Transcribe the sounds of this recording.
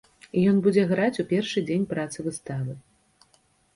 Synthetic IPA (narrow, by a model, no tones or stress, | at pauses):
ijɔnbud͡zʲɛɣɾat͡sʲupʲɛrʂɨd͡zʲenʲpɾat̪sɨvɨst̪avɨ